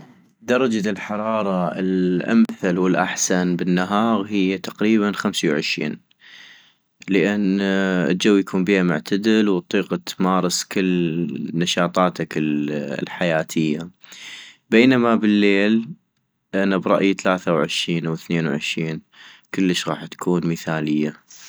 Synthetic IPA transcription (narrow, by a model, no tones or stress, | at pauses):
d̪ɑɾˤɑd͡ʒalħɑɾˤɑːɾˤɑɪ̰lʔa̰mθalwɪlʔa̰ħsanbɪnːaɦɑːɣhɪjːat̪aqɾiːβanxamsawʕɪʃɾḭːn | ləʔɪnɪ̰ld͡ʒawːjakʰuːmbiːhamʊ̰ʕt̪ʰad̪ɪlwt̪ˤːiːqɑt̪mɑːɾˤɨskɪlːnaʃɑːt̪ˤɑːt̪akɪlħajaːt̪ʰɪjːa | beːnamabɪlːeːl | ʔanabɾˤɑ̰ʔjt̪alaːθawʕɪʃɾiːnwɪθneːnwʕɪʃɾiːn | kəlːəʃɣɑːħt̪ḁkʰuːnməθaːlɪjːa